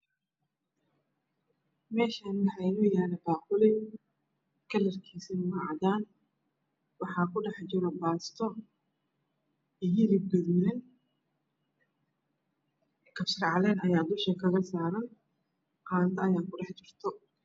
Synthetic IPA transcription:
mɛːʃaːnwħɑjnʊjaːnɐbaːqʊlɛj | kʰɐlɐrkʰiːsinmɐʕɑd̪aːn | wɑħɑːkʰʊɖɑħt͡ʃɪɾɔbaːst̪ʰɔ | ɦilɪb̚ɡɐðuːlɛn | kʰɐfsɪrʕɑlɛːnɐjaːd̪ʊʃɐkʰɐɣɐsaːɾɐn | qɑːnt̪ʰɐɐjaːkʊɖɑħt͡ʃɪrt̪ʰɔ

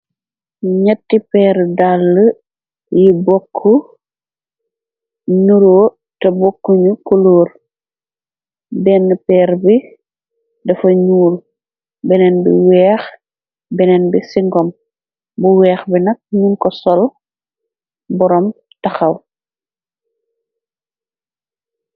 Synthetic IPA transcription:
ɲɐtːipɛːɾdalːə | jibɔkʰːu | ɲuɾo | tɐbokːuɲukoloːɾ | bɛnːəpɛːɾbi | dɐfɐɲuːl | bɛnɛnbḭwɛːx | bɛnɛnbisiŋɡɔm | buwɛːxbinɐk̚ɲunkɔsɔl | bɔɾɔm | tɐxɐw

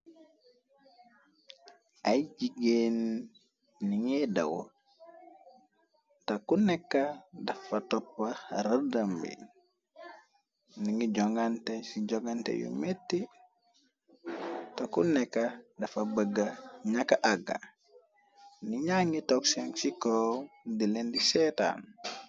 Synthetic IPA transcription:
ajɟiɡenː | iŋedɐ̰wo̰ | takunɛkːɐdɐfɐtɔpːaɾɐdɐmbḭ | niŋiɟɔŋɡantesiɟoɡantḛjṵmetːi | tokunɛkːɐdɐfɐbəɡːɐɲakːaʔaɡa̰ | niɲaŋitokseŋsikodilendiseta̰n

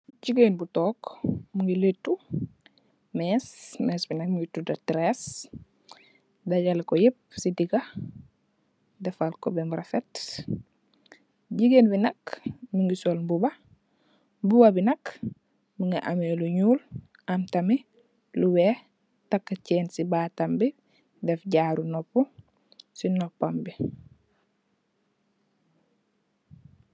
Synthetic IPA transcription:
ɟiɡenbutɔːkmuŋɡiletːu | mɛːsmɛsbinɐk̚muɡitːudɐtɾes | daɟalkɔjep̚sidiɡa | dɛfalkɔbɛmɾafɛt | ɟiɡenbinɐkmuŋɡisɔlbubɐ | buwabinɐk | miŋɡaʔameluɲuːl | amtami | luwe | takːacɛːnsibatambi | dɛfɟaːɾunɔpːu | sinɔpːambi

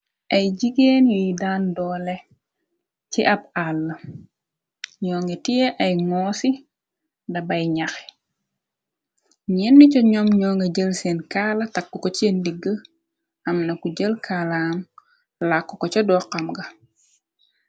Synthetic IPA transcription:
ʔɐjɟiɡeːnjuidaːndɔːlɛ | t͡ʃiʔɐb̚alːɐ | ɲɔːŋɡɛtiɛʔɐjŋɔːsi | dɐbɐjɲaxɛ̥ | ɲɛnːicɔɲɔmɲɔːŋɡɐɟəlsɛnkaːlɐtɐkːukɔt͡ʃendiɡːə | ɐmnɐkuɟəlkʰalɐːm | lakːɔkɔt͡ʃɔdɔqɐmɡɐ

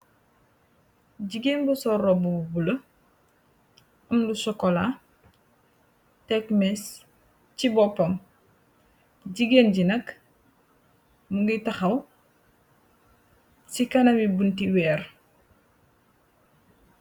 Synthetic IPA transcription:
ɟiɡenbusɔrɔbububulɐ | ɐmdusɔkɔla | tɛkmɛs | cibɔpːɐm | ɟiɡeːnɟinɐk | muŋɡitɐxɐw | sikɐnɐmibuntiwɛːɾ

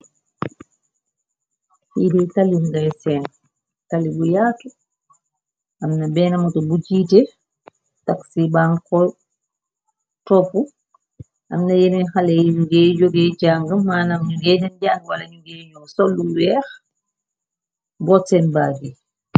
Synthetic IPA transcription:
hidɛjtaliŋɡajsɛn | talibujaːtu | ʔamnabɛːnamɔtɔbud͡ʒiːtɛ | taksibankɔ | tɔpu | ʔamnajeninhalɛuɡɛd͡ʒoɡɛjd͡ʒaŋɡamːaːnamɲuŋɡɛdɛnd͡ʒaŋwalaɲuŋɡɛɲɔŋsolːuwɛːx | bɔtɛnbaːɡi

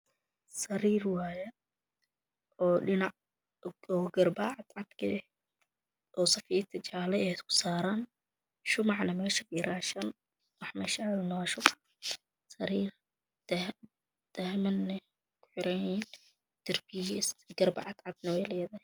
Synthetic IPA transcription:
sɐɾiːrwaːjɐ | ɔːɖɪnɑʕ | ɔːɡɐrbaːʕɑd̪ʕɑd̪kʰɐɛ | ʔɔːsɐfiːt̪ʰɐt͡ʃaːlɛɛkʰʊ̥saːɾaːn | ʃʊmɑʕnɐmɛːʃɐkʔɪɾaːʃɐn | wɑħmɐʃaːlnwʃʊmɑʕ | sɐɾiːr | d̪̥ɐhmɐnːɛ | kʰʊ̥ħɪɾɐjin | t̪ɐrbiːʃɐsɡɐrbɑ̰ʕɑd̪ʕɑd̪̚nɐwɛjlɛːðɐhɛ

